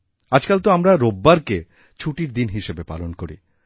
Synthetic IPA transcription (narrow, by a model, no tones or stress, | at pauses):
ad͡ʑkalt̪oamɾaɾobːaɾke | t͡ɕʰuʈiɾd̪inɦiʃebepa̰lonkoɾḭ